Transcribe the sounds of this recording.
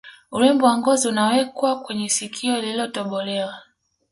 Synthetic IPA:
ulɛmbɔwaŋɡɔziunawɛkwakwɛɲɛsikʰiɔililɔtɔɓɔlɛwa

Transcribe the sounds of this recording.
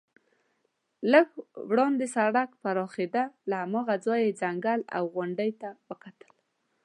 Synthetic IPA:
ləɡwɽɑnd̪esaɽakfaɾɑxed̪alahamɑɣad͡zɑjed͡zaŋɡala̰wɣʊɳɖəjt̪awəkat̪ə̥l

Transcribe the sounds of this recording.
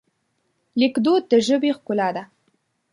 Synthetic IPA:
lɪkd̪od̪əʒəbexkʊlɑd̪a

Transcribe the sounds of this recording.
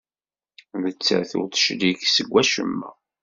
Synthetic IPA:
ðət͡sːæ̰θʊ̰ɾt̪ə̥ʃliksəɡʷːæʃə̰mːæ̰

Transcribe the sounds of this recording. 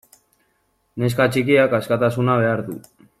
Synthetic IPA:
neskat͡ʃikiakaskat̪asunaβe̞aɾt̪ṵ

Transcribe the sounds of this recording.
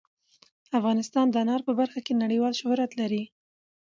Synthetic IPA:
afɣɑnɪst̪ɑnd̪əanɑɾpəbaɾxakenaɽəjwɑlʃʊhɾat̪laɾi

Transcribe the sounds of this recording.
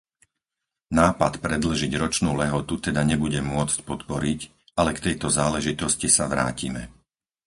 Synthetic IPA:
naːpat̪pɾɛd̪l̩ʒiɟɾɔt͡ʃnuːlɛɦɔt̪ut̪ɛd̪aɲɛbuɟɛmʊɔt͡scpɔt̪pɔɾic | alɛkt̪ɛjt̪ɔzaːlɛʒit̪ɔscisaʋɾa̰ːcḭmɛ̰

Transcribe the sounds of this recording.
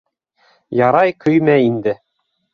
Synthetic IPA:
jɑɾɑjkʰɵjmæind̪ɘ

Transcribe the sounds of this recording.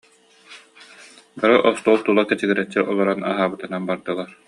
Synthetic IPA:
baɾɯʔɔst̪uːlˠt̪ulˠakɛt͡ɕiɡiɾɛt͡ɕːiʔɔlˠɔɾana̰ɦaːbɯt̪ɯnanbaɾd̪ɯlˠaɾ

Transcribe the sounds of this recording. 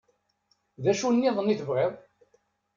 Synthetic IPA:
ðæʃunːiðˤənːiθəvʁeðˤ

